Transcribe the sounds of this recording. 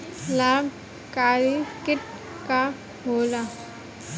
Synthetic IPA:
laːb | kaːɾikɪʈ̚ | ka | ɦoːla

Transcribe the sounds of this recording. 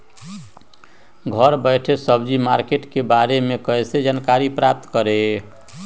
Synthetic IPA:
ɡʱəɾbəɪʈʰesəbd͡ʒimaɾkeʈkebaɾemekəsed͡ʒankaɾipɾap̚t̪kəɾe

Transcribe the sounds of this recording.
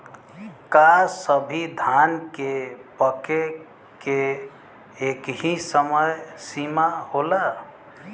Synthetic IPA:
kasəbʱid̪ʱankepəke | ke | ekɦĩsəməjsimaholə

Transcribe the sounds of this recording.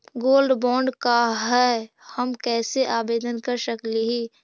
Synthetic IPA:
ɡoːlɖbɔ̃ːɳɖkaɦɛː | həmkɛːseʔaːbeːd̪ənkəɾsəkleɦiː

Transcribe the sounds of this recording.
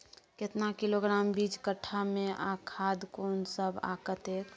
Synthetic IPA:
kɪt̪nakɪloɡɾaːmbid͡ʒkəʈʰːamẽʔakʰaːd̪koːnsəba̰kət̪eːk

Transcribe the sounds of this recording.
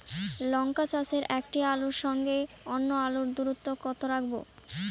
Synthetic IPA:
lɔŋkat͡ɕat͡ɕeɾʔɛkʈialuɾʃɔŋɡe | onːoaluɾd̪uɾut̪ːokɔt̪ʰoɾakʰbo̰

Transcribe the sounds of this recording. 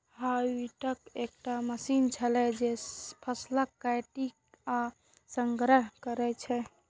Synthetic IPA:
haiʈəkek̚ʈaməsint͡ʃʰəlɛd͡ʒepʰəslakːaʈik | a | səŋɡɾəɦkəɾɛt͡ʃʰɛ

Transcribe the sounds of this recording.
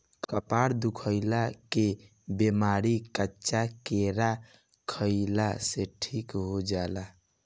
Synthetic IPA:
kkəpaɾd̪ukʰəɪlake | bemaɾikətːt͡ʃakeɾa | kʰəɪlaseʈʰikɦod͡ʒala

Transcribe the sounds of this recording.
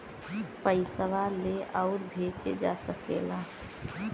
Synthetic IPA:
pəɪsəʋaleʔəʊɾbʱeːt͡ʃḛd͡ʒa̰səkḛːlaː

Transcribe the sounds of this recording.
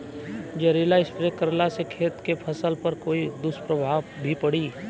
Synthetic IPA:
d͡ʒeɾilaɪspɾekəɾlasekʰeːt̪kepʰəsəlpɐɾkoːid̪ʊspɾəbʱaːʋbʱipɐɽiː

